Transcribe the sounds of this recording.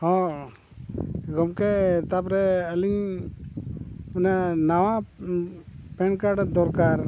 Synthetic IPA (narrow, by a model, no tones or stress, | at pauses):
hɔ̃ | ɡɔmkɛt̪apɾɛəliŋ | unanawa | pɛnkaɖd̪ɔɾkaɾ